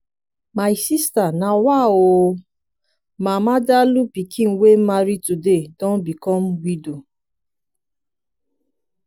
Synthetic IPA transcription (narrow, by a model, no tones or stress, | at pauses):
majsistanãwao | mãmãdalupikĩn̩wem̩maɾitudedɔ̃n̩bikɔm̩wido